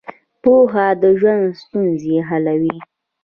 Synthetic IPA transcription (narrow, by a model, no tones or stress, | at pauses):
poɦad̪əʒwand̪st̪unzeɦalawi